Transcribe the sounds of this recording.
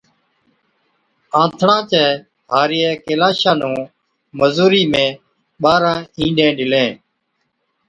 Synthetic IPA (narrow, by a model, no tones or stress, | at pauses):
ãːt̪ʰɽãːt͡ʃɛː | ɦaːɾɪjɛːkeːlaːʃãːnũː | məzuːɾiːmẽː | ɓaːɾãːĩːɖẽːɗɪlẽː